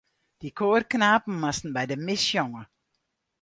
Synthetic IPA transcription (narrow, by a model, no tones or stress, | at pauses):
d̥ikʰoːrknaːpn̩mastn̩bɛjdəmɪsjɔŋə